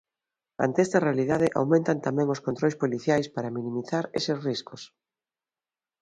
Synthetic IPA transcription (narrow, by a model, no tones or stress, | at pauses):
a̰nt̪eɛst̪ɐrealiðaðɪʔa̰wmẽnt̪ant̪amɛ̃ŋoskont̪ɾojspoliθjajspaɾɐmĩnĩmiθaɾesesriskʊs